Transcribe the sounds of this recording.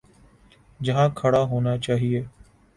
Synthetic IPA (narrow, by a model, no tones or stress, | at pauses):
d͡ʒɐɦãːkʰəɽaːɦoːnaːt͡ʃaːɦieː